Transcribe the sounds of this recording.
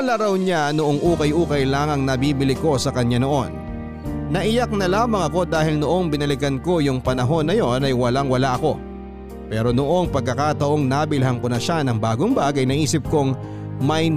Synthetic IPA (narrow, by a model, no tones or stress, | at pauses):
ɐlɐɾɐwɲanoʔoŋʔuːkɐjʔuːkɐjlaːŋɐŋnɐbiːbɪlɪko̞sɐkɐɲːano̞ʔo̞̰nː | ɐʔɪjak̚nɐlaːmɐŋɐko̞d̪aːhɪlnoʔo̞ŋbɪnɐlɪkɐnko̞jʊŋpɐnɐɦo̞nːɐjo̞nɐjwɐlaŋwɐlaʔɐko̞ | pɛːɾo̞noʔo̞ŋpɐɡ̚kːɐkaːt̪ɐʔo̞ŋnaːbɪlɦɐŋkonɐʃanɐŋbaːɡoŋbaːɡɐjnɐʔiːsɪp̚koŋ | mɐj